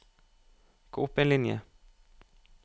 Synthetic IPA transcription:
ɡ̥oːɵpːeːnlɪnjə̰

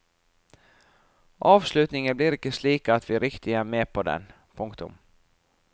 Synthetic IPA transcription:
ʔɑːvslʉ̟ːt̪nɪŋənblɪɾɪkːəsliːkaːt̪vɪɾɪkt̪ʰɪɡaæɾmeːpʰɔd̪ɛ̰n | pʰɵŋkt̪ɵ̰m

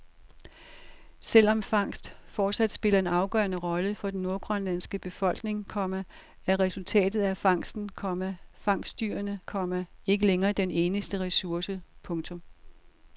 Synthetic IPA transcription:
sel̰ɒ̽mfɑ̈ŋ̰sd̥fɒːd̥sæd̥sb̥e̝lɐe̝nɑ̈ʊɡ̥ɶɐnəʁɒ̽ləfɒ̽d̥enno̝ɐɡ̥ʰʁœnlæn̰sɡ̥əb̥e̝fɒ̽l̰ɡ̥ne̝ŋkʰɒ̽m̰æ | æɐʁɛsult͡sʰɛ̰ːd̥ð̩ˠæfɑ̈ŋ̰sd̥n̩kʰɒ̽mæfɑ̈ŋ̰sd̥yɐnəkʰɒ̽m̰æe̝ɡ̥əleŋɐːd̥ene̝ːnəsd̥əʁɛsuɐsəpʰɔ̽ŋt͡sʰɔ̽m

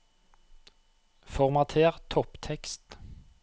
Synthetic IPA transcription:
fɔʁmɑt̪ʰeːʁt̪ʰɔpt̪ʰɛkst̪

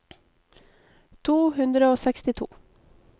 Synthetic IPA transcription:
t̪ʰuːhʉnd̪ɾəoːsɛkst̪ɪt̪ʰṵː

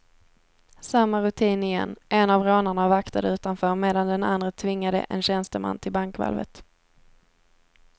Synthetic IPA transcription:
samːaɾɵt̪ʰiːnɪjɛ̰nːʔɛnavɾoːnaɳavakt̪ʰad̪əʉ̟ːt̪anfœːɾmeːd̪and̪ɛna̰nd̪ɾət̪ʰvɪŋːad̪ə̰ʔɛ̰nɕɛnst̪əma̰nːt̪ʰɪlbaŋkva̰lvə̰t̪

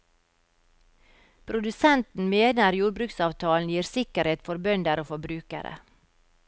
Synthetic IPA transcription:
pʰɾʊd̪ʉsɛnt̪n̩meːnəɾjuːɾbɾʉːksɑːʋt̪ʰɑːln̩jiːɾsɪkəɾheːt̪fɔɾbœnd̪əɾoːfɔbɾʉːkə̰ɾʔə̰

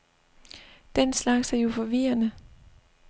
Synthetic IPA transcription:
d̥enslɑ̈ɡ̥sæɐjo̝fɒ̽ʋiːɐnə

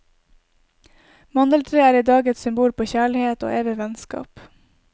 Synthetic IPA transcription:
mɑnd̪əlt̪ʰɾeːæːɾiːd̪ɑːɡɛt̪sʏmbuːlpʰoːçæːɭɪheːt̪o̰ːʔeːʋəʋɛnskɑ̰ːp

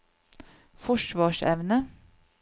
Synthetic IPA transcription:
fɔʃʋɑːʃɛ̰ʋnə

